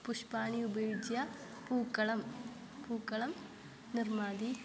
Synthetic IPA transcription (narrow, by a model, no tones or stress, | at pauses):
pʊʂpaːɳiʊbɐɻɪd͡ʒja | puːkːɐɭɐm | puːkːɐɭɐm | nɪrmaːd̪i